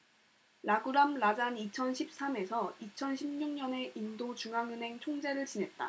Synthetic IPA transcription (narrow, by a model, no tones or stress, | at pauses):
ɾaɡuɾamɾad͡ʑanit͡ɕʰʌnɕʰip̚s͈ame̞sʰʌit͡ɕʰʌnɕʰimɲuŋɲʌne̞ʔindot͡ɕuŋɦaŋɯnɦe̞ŋt͡ɕʰoŋd͡ʑe̞ɾɯɭt͡ɕine̞t̚t͈a̰